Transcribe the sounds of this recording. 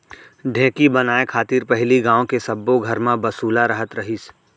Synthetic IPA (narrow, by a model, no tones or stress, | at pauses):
ɖʱɛ̃ːkibɐnaːekʰaːt̪iːɾpɛɦliɡãːõkesɐbːoɡʱɐɾmãbɐsuːlaɾɐɦət̪ɾɐɦis